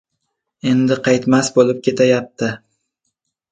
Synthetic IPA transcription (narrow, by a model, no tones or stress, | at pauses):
e̞nd̪ɪqʰɑjt̪masbolɪp̚kʲe̞t̪ʰajap̚t̪ʰɪ